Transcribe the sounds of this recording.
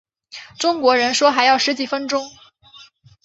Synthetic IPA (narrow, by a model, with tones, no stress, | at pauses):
ʈ͡ʂʊ˥ŋkwɔ˧˥ɻə˧˥nʂwɔ˥xa˧˥ɪjɑ˥˩ʊʂɻ̩˧˥t͡ɕi˨˩fə˥nʈ͡ʂʊ˥ŋ